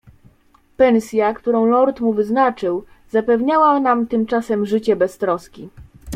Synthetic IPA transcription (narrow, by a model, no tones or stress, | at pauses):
pɛnsʲjakt̪uɾɔ̃w̃lɔɾt̪muvɘznat͡ʂɘw | zapɛvɲawanamt̪ɘmt͡ʂasɛmʐɘt͡ɕɛbɛst̪ɾɔskʲi